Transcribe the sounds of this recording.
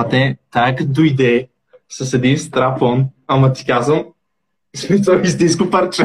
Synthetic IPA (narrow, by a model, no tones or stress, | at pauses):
at̪ɛt̪ajɛkɐd̪oid̪ɛ | sɐsɛd̪inst̪ɾafɔnɐmɐt̪i̥kazəm | smisoist̪inskʊpɐɾt͡ʃɛ